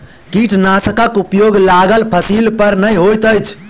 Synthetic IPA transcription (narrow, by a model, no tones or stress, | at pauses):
kiʈʰnasəkəkupjoɡlaɡəlpʰəsilpəɾnəjɦojt̪əjt͡ʃʰ